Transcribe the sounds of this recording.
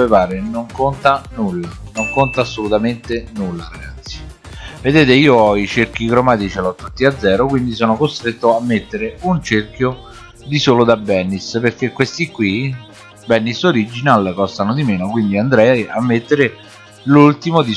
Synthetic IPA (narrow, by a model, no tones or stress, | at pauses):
evaːɾenoŋkont̪anulːanoŋkont̪aːsːolut̪ament̪enulːaɾaɡat̪sːi̥ | ved̪eːt̪eiːoɔit͡ʃerk̟ikɾɔmaːt̪it͡ʃɛlɔt̪ːut̪ːiad̪zːɛːɾokwind̪isɔːnokost̪ɾet̪ːoamːet̪ːeɾeunt͡ʃerk̟jo | d̪isoːlod̪abːɛnːisperk̟ekːwest̪ikːwi | bɛnːisoɾid͡ʒinalkɔst̪anod̪imeːnokwind̪iand̪ɾɛjamːet̪ːeɾe | lult̪imod̪i